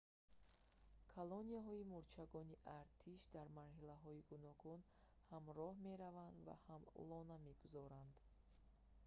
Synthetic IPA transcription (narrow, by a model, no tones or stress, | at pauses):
kʰalɔniaɦɔimuɾt͡ʃʰaɡɔniʔaɾt̪ʰiʃd̪aɾmaɾɦilaɦɔiɡunɔɡun | hamɾɔhme̞ɾavand̪va̰hamṵlɔname̞ɡuzɔɾand̪